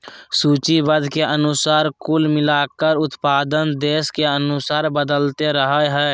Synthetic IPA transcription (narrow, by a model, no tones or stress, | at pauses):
suːt͡ʃibəd̪ʱkeʔənʊsaːɾkulmɪlaːkəɾʊt̪paːd̪ənd̪eːskeənʊsaːɾbəd̪əlt̪eɾəɦəɦɛː